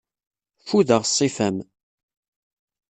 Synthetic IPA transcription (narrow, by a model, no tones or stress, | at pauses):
fuðəʁsˤːifæm